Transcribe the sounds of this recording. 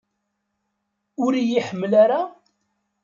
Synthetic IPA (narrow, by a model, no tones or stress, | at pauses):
ʊɾijiħəmːlaɾa